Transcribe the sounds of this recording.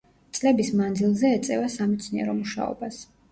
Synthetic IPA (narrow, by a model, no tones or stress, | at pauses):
t̪sʼlɛbismand̪zilˠzɛːt̪sʼɛvasamɛt̪sʰniɛ̰ɾɔmuʃa̰ɔ̰bas